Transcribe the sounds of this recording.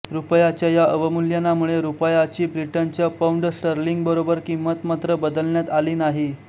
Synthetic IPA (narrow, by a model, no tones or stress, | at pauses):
ɾupəjat͡ɕjajaʔəʋəmuljanːamuɭeɾupəjat͡ɕiːbɾiʈənt͡ɕjapauɳɖəsʈəɾliŋɡbəɾobəɾkimət̪mat̪ɾəbəd̪əlɳjat̪aliːnaɦi